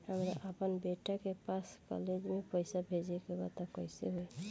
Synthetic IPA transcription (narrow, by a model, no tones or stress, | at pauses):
həmɾa̰ʔəpənbeʈakepaskɔ̰led͡ʒmepɔjsabʱed͡ʒekebat̪akɔjseɦoj